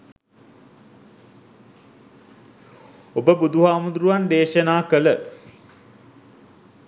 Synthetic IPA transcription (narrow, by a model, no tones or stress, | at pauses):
obəbud̪uɦaːmud̪ɾuʋand̪eːʃənaːkələ